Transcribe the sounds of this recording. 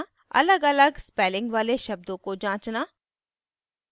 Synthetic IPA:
ɐ̰ləɡɐləɡspɛːlɪ̃ŋɡʋaːleʃɐb̚d̪õkod͡ʒãːt͡ʃnaː

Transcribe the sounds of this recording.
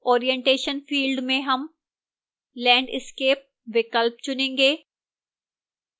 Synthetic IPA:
ɔːɾijẽɳʈeːʃənfiːlɖmẽɦɐm | lɛ̃ːɳɖɪ̰skeːp̚ | ʋɪkəlp̚t͡ʃʊnẽːŋɡeː

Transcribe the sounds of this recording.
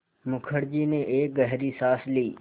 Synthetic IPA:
mʊkʰəɽd͡ʒineʔeːɡəɦɾisasliː

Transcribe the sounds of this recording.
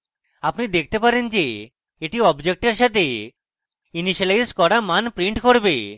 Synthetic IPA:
apnid̪ekʰt̪epaɾind͡ʒeː | ʈiɔbd͡ʒek̚ʈeɾʃat̪e | iniʃalajskɔɾamanpɾiɳʈkɔɾbe

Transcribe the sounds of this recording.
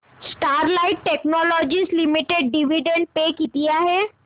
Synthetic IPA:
sʈaːɾlaɪʈːeːknɔːlɔːd͡ʒislimiʈeɖːiʋiɖẽɳɖ̚pekit̪ijaɦɛː

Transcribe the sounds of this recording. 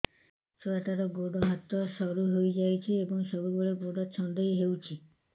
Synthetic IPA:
sɔeʈaɾɔɡoɽɔɦat̪ɔsɔɾuɦojd͡ʒajt͡ʃʰiebɔŋsɔbuboɭeɡoɽɔt͡ʃʰɔnd̪ɔjɦewt͡ʃʰi

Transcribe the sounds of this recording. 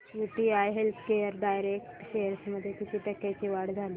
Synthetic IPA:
juʈiajɦelt̪ʰkejəɾɖajɾek̚ʈɕejəɾsməd̪ʱːjekit̪it̪akːat͡ɕiʋaɽd͡zʱali

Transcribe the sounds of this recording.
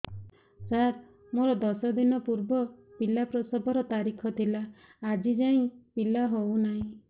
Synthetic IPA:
saɾ | moɾɔd̪ɔsɔd̪inɔpuɾbɔpilapɾɔsɔbʱɔɾɔt̪aɾikʰɔt̪ʰilaː | d͡ʒid͡ʒaĩpilaɦownaɦĩ

